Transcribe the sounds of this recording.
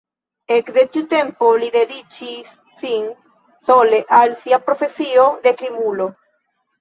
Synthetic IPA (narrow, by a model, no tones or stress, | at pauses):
ekðet̪ut̪ẽmpoliðeðit͡ʃisːiŋ | soleʔalsiapɾofesioðekɾimulo